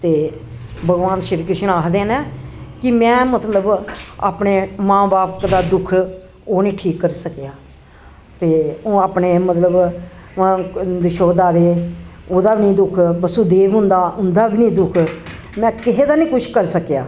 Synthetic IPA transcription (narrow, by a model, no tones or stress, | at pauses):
t̪eːbəɡʋaːnʃɪɾkɾɪʃənaːkd̪eːnɛ̃ːkɪmɛ̃ːmət̪ləba̰ːpɳeːmãːbaːpkd̪aːd̪ʊkʰ | oːnĩːʈʰiːkːəɾsəkjaː | t̪eːõːaːpɳeːmət̪ləb | d̪ɪʃoːd̪aːd̪eːoːd̪aːbinĩːd̪ʊkʰbəsuːd̪eːʋɦʊ̃nd̪aːʊnd̪aːbiːnĩːd̪ʊkʰ | mɛ̃ːkɪɦeːd̪aːnĩːkʊt͡ʃʰkəɾsəkeja̰ː